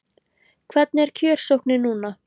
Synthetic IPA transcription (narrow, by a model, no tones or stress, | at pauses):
kʰvɛt̪̚nɛɾ̥cʰœːɾ̥sowhknɪnuːna